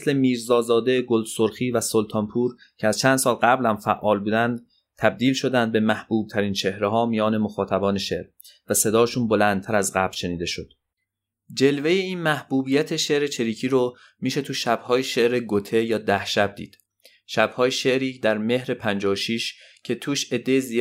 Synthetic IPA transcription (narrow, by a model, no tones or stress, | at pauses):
sle̞miːɾzɒːzɒːd̪e̞ɡold̪soɾxiːvæsolt̪ʰɒːmpʰuːɾ | cʰeæzt͡ʃʰænd̪sɒːlɢæblæmfæʔːɒːlbuːd̪ænd̪ | t̪ʰæb̚d̪iːlʃo̞d̪ænd̪̚be̞mæhb̥uːb̥̚t̪ʰæɾiːnt͡ʃʰe̞hɾeɦɒːmijɒːne̞moxɒːt̪ʰæbɒːne̞ʃe̞ʔɾ | væse̞d̪ɒːʃuːnbo̞lænd̪t̪ʰæɾæzɢæblʃe̞niːd̪e̞ʃod̪̥ | d͡ʒe̞lve̞jeiːnmæhbuːbiːjæt̪ʰeʃe̞ʔɾe̞t͡ʃʰe̞ɾiːcʰiːɾo | miːʃe̞t̪ʰuʃæbhɒːjeʃe̞ʔɾeɡot̪ʰe̞jɒːd̪æhʃæb̚d̪ḭːd̪̥ | ʃæb̥hɒːjeʃe̞ʔɾiːd̪æɾme̞hɾe̞pʰænd͡ʒɒːʃiːʃ | cʰe̞t̪ʰuːʃe̞d̪ːejezi